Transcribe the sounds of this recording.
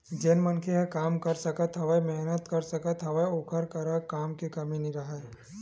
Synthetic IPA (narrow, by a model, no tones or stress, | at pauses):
d͡ʒenmənkʰeɦɛ̃kaːmkəɾsəkət̪ɦɐʋəmɛɦnət̪kɐɾsəkət̪ɦɐʋəokʰəɾkɐɾəkaːmkekɐminiɾɐɦə